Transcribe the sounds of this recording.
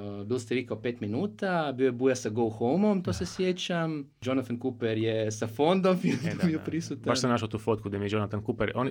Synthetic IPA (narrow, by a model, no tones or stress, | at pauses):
bilst̪eʋikaopet̪minuːt̪abiːoebujasaɡowxolmo̞mt̪oːsesjet͡ɕam | d͡ʒo̞nat̪ankupeɾjesafo̞nd̪o̞mfimijopɾisut̪abaʃsamnaʃat̪uːfot̪kud̪ajemied͡ʒonat̪ankupɛɾʔoni